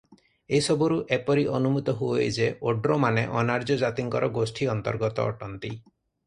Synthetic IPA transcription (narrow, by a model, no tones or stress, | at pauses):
eɦisɔbɔɾuʔepɔɾiʔɔnumut̪ɔɦuojd͡ʒeoɖɾɔmaneʔɔnaɾd͡ʒɔd͡ʒat̪iŋkɔɾɔɡosʈʰiɔnt̪ɔɾɡɔt̪ɔ̰ːʈɔnt̪i